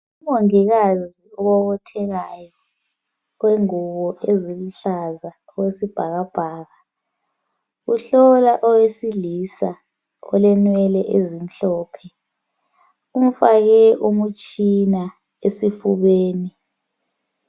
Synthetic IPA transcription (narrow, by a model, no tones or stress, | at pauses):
uβoŋiɣaziɔβɔɣɔtʰɛɣajɔ | weŋuβɔeziluɬaza | ɔwesib̥ʱaɣab̥ʱaːɣa | uɬɔlaʔɔwesilisa | ɔ̰lɛnwɛlɛʔezim̩ɬɔːpʰɛ | um̩faɣɛʔumut͡ʃʼina | esifuβeːni